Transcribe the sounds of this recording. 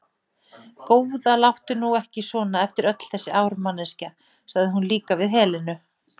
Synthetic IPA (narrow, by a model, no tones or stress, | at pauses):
koːwðalawht̪ʏnuɛhcɪsvɔːnaɛft̪ɪɾœt̪l̥θɛsːɪaːwɾʏmanːɛsca | saɣðɪɦunliːkavɪðɦɛːlɪnʏ